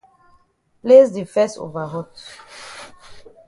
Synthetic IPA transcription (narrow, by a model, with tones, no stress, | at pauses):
ple˦zde˨fɛ˦so̰va˨ɦɔ˦t